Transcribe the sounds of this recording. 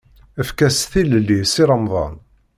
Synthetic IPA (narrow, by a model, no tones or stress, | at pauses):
əfkæsθiləlːisiɾˤəmðˤɑ̰n